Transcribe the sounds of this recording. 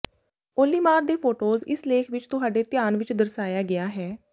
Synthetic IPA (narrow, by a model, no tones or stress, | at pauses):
oːliːmaːɾd̪eːpʰoːʈoːzɪ̰sleːkʰʋɪt͡ʃt̪ʊɦaːɖeːt̪ɪjaːnʋɪt͡ʃd̪əɾsaːjaːɡɪjaːɦɛː